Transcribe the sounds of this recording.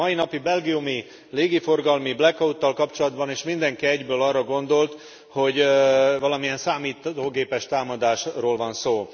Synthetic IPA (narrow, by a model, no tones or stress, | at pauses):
ɒinɒpibɛlɡijumi | leːɡifo̞rɡɒlmiblɛkːɒut̪ːɒlkɒpt͡ʃo̞lɒd̪bɒneːʃmind̪ɛŋkiɛɟbøːlɒrːɒɡo̞nd̪o̞lt̪ | ho̞ɟvɒlɒmiɛnsaːmiːt̪oːɡeːpɛʃt̪aːmɒd̪aːʃroːlvɒnsoː